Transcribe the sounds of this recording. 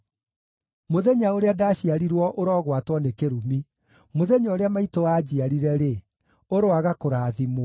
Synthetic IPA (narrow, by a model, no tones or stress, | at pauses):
moðeɲaoɾeadaɕiaɾiɾwɔʔoɾɔɣwatwɔnekeɾumi | moðeɲaoɾeamaitowaːd͡ʑiaɾiɾɛɾe | oɾoaɣakoɾaːðimo